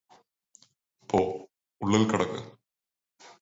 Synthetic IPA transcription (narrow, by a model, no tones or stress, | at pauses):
pːoː | uɭːilkɐɽɐkːɨ̰